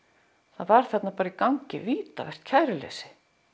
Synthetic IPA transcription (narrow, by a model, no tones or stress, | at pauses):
θaðvaɾ̥θɛt̪napaːɾaikawɲcɪviːt̪avɛr̥t̪cʰaːjɾɪlḛːsɪ̥